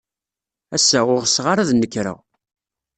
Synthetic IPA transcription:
æsːæʊʁsʁaɾaðnːəkːɾə̰ʁ

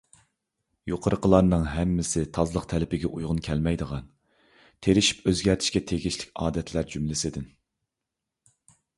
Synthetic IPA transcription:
joqʰəɾəqʰəlˠɑɾnɨŋɦɛmːɪsɪt̪ʰɑzlˠəq̚t̪ʰɛlɪpɪɡʲɛʔujʁʊnkʲʰɛlmɛjd̪əʁɑn | t̪ʰeɾɪʃi̥pøzɡʲæɾt̪ʰɪ̥ʃkʲɛt̪ʰeɡʲiʃlɪkʲɑːd̪ɛt̪ʰlæɾd͡ʒymlɪsɪd̪ɪn

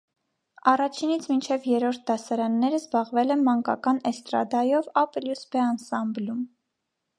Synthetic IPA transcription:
ɑrɑt͡ʃʰinit͡sʰmint͡ʃʰɛvjɛɾɔɾt̪̚ʰd̪ɑsɑɾɑnːɛɾəzbɑʁvɛlɛnmɑŋkɑ̰kɑnɛst̪ɾɑ̰d̪ɑjɔvɑpljusbɛɑnsɑmblum

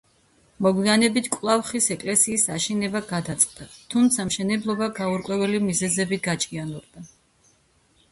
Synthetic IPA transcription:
mɔɡwianɛbit̪ʰkʼlˠafχisɛkʼlɛsiːsaʃinɛbaɡad̪at̪sʼqʼd̪̥at̪ʰumt̪sʰamʃɛnɛblˠɔbaɡauɾkʼwɛvɛlimizɛzɛbiɡat͡ʃʼianɔɾd̪a

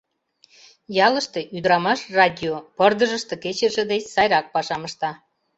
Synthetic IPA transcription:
jɑləʃt̪e̽ʔyd̪ɾɑmɑʃrɑdʲiopərd̪əʒəʃt̪eket͡ɕəʒĕd̪et͡ɕsɑjɾɑk̚pɑʃɑməʃt̪ɑ

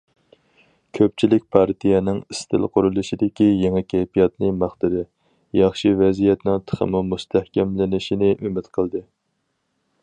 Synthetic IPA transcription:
kʲʰøp̚t͡ʃʰilɪk̚ʲpʰɑɾt̪ʰijɛnɪŋist̪ʰɪ̰lˠqʰʊɾulˠɨʃid̪ɪkʲijeŋɛkʲʰɛjpijɑt̪nɨmɑχt̪ɨɾɪ | jɑχʃivɛzijɛt̪nɪŋt̪ʰə̥χʰə̰mumust̪ʰæhkʲɛmlɪnɪʃinɪʔymɪt̪qʰəlˠd̪ɨ

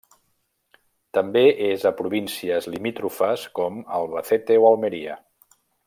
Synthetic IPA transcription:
t̪əmbeʔezəpɾuβinsiəzlimit̪ɾufəskɔməlˠβəθet̪ewəlˠmeɾiə̰

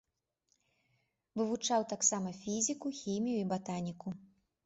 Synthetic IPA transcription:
vɨvut͡ʂawt̪aksamɐfʲizʲikuxʲimʲijuibat̪anʲiku

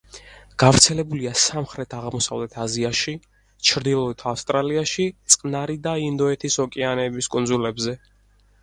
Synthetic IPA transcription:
ɡ̥avɾt̪sʰɛlɛbuliasamχɾɛt̪ʰaʁmɔsavlɛt̪ʰaziaʃi | t͡ʃʰɾd̪ilˠɔit̪ʰafst̪ʼɾaliaʃit̪sʼqʼnaɾid̪aind̪ɔɛt̪ʰisɔkʼɛanɛːbiskʼund̪zulɛbzɛ

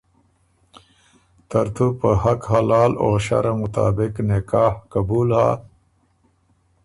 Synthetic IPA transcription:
t̪ɐɾt̪ʰupəhɐkhalaːloːɕa̰ɾamut̪a̰ːbɪknekaːhkɐbuːlha̰ː

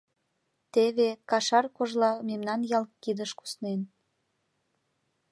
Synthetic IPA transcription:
t̪eβekɑʃɑrkoʒlɑmemnɑnjɑlkːid̪əʃku̥snen

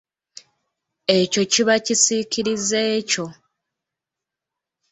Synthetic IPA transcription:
e̞co̞ciβacisiciɾizeːco̞

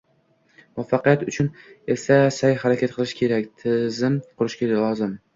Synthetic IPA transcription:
mɒfːɑqɨjat̪ʊt͡ʃʰʊne̞fsasajχaɾakʲʰat̪̚qʰɨlˠɪʃkʲʰe̞ɾakʲt̪ʰɪzɪmqʰʊɾɪʃkʲeɾalˠɒzɪm

